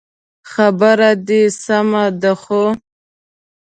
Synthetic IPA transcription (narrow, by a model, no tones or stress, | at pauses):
xabəɾad̪isamad̪əxo